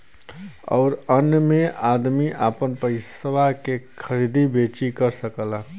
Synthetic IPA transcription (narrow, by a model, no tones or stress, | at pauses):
ɔ̰ːɾənjəmẽaːd̪miʔapənpəɪsəwakekʰəɾiːd̪ʱibeːt͡ʃikəɾsəkəla